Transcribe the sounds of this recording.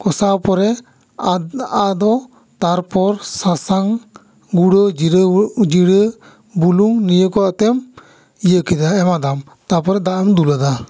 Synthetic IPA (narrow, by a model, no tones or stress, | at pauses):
kɔsapɔɾɛ | ad̪ɔ | t̪aɾpɔɾsasaŋ | ɡuɽɔd͡ʒd͡ʒiɽə | buluŋnijəkɔat̪ɛm | ijəkid̪aɛmad̪am | t̪apɔɾɛd̪aʔɛmd̪ulad̪a